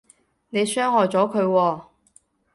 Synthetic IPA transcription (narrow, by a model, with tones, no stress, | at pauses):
ne˨˧jsœː˥ŋhɔː˨jt͡sɔː˨˥kʰɵ˨˧ɥwɔː˧